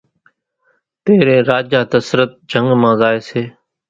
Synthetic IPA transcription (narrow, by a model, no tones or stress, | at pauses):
t̪eːɾẽːɾaːd͡ʒaːt̪əsɾət̪̚d͡ʒʱəŋɡmãːzaːeːseː